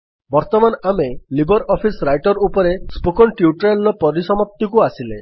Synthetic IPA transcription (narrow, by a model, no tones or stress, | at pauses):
bɔɾt̪ɔmanamelibɔɾɔpʰisɾajʈɔɾupɔɾespukɔnʈiuʈɾelːɔpɔɾisɔmɔp̚t̪ikuasile